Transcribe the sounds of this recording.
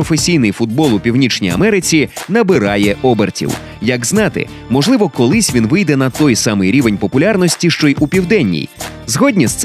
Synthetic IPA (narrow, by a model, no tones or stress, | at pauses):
ɔfesʲijnɪjfʊd̪̚bɔlˠʊpʲiwnʲit͡ʃnʲḭjɐ̰mɛɾɪt͡sʲinɐbɪɾɑjɛʔɔbertʲḭw | jɐɡznɑt̪ɪ̰ | mɔʒlˠɪʋɔkɔlˠɪsʲʋʲinʋɪjd̪ɛnɐt̪ɔjsɑmɪjɾʲiʋenʲpɔpʊlʲarnɔsʲtʲiʃt͡ʃɔjʔupʲiwd̪ɛnʲːḭj | zɦɔdʲnʲist̪s